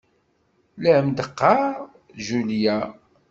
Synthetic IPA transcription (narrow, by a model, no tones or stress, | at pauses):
ləʕəmd̪əqːɑ | ʒulja